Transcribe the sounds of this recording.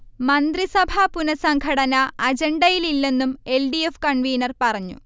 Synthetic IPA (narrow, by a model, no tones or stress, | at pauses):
mɐnd̪risɐbʱɐpunɐsɐŋɡʰʱɐɽɐnɐɐd͡ʑeɳɖɐjililːe̞nːume̞lɖiefkɐɳʋiːnɐrpɐrɐɲːṵ